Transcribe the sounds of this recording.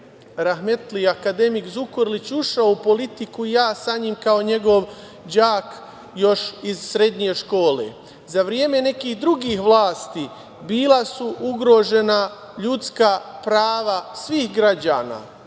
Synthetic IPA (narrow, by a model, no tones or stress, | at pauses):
ɾaɦme̞t̪liakad̪e̞mikzukoɾlit͡ɕuʃaoupo̞lit̪ikuijaːsaɲimkao̞ɲe̞ɡo̞ʋ | d͡ʑaːk | jo̞ʃizsɾe̞d̪ɲe̞ʃko̞ːle̞̰ | zaʋɾjeːme̞ne̞kiːhd̪ɾuɡiːxʋlˠaːst̪i | biːlˠasuʔuɡɾo̞ːʒe̞na | ʎut̪skaːpɾaːʋasʋiːhɡɾad͡ʑaːna̰ː